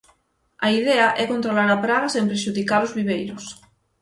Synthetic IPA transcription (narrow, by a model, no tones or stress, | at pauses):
ɐiðɛɐʔɛkont̪ɾolaɾapɾaɣɐsẽmpɾeʃuðikalozβiβ̞ejɾʊs